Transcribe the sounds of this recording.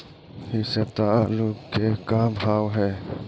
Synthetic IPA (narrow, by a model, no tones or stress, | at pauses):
ɦisebt̪aalʊɡkekabʱaːwɦɛː